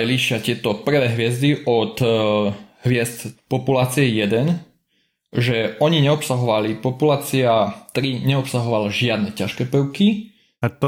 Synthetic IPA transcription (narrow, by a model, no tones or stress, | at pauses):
liʃɪat̪ɪɛt̪ɔpr̩ʋɛːɦʋɪɛzd̪iʔɔt̪ | ɦʋɪɛzt̪pɔpulaːt͡siɛjɛd̪ɛn | ʒɛɔɲiɲɛɔpsaɦɔʋalipɔpulaːt͡siat̪ɾiɲɛɔpsaɦɔʋalaʒɪad̪̚nɛcaʃkɛːpəʊki | at̪